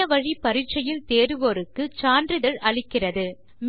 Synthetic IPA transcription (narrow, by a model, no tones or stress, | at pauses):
ɐʋɐɻipɐɾɪʈ̚t͡ʃɐjɪlt̪eːɾɯʋoːɾɯkːɯt͡ʃaːndrɯðɐɭɐɭɪkːɪrɐðɯ | m